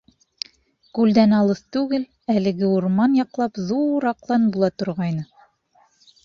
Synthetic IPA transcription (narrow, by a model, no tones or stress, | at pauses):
kʉld̪ænɑlˠɤθt̪ʉɡɘl | ælɘ̆ɡɘuɾmɑnjɑqlˠɑpzuɾɑqlˠɑnbulˠɑt̪ŏɾʁɑjnɤ